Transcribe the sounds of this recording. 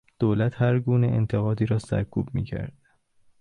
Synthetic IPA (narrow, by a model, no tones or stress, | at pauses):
d̪̥oːlæt̪hæɾɡuːneʔḛnt̪ʰe̞ɣɒːd̪iːɾɒːsæ̰ɾkʰub̚mḭːcʰæ̰ɾd̪̥